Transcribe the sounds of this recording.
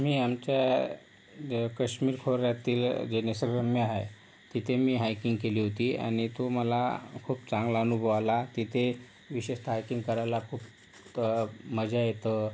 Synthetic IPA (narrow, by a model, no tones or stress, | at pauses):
miːamt͡ɕja | kəɕmiːɾkʰoɾjat̪iːld͡ʑenesəɾɾəmjəaɦḛ | t̪it̪ʰemiːɦajkiŋɡkeliːɦot̪iːa̰ɽ̃it̪oməlakʰuːpt͡saŋɡlaənubʱəʋalat̪it̪ʰe | ʋiɕeɕt̪ɦajkiŋɡkəɾajlakʰuːp | məd͡ʑajet̪ə